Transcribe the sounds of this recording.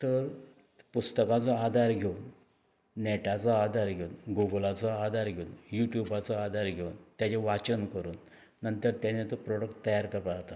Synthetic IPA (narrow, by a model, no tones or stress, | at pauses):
t̪əɾ | pust̪əkãt͡sɔad̪ʱaɾɡʱeun | nɛʈat͡sɔad̪ʱaɾɡʱeunɡuɡəlat͡sɔad̪ʱaɾɡʱeunjuʈjubat͡sɔad̪ʱaɾɡʱeunt̪jat͡ɕeʋat͡ɕənkəɾuːnː | ənt̪əɾt̪jañet̪ɔpɾɔɽəkʈt̪ːəjaɾkəɾpat̪a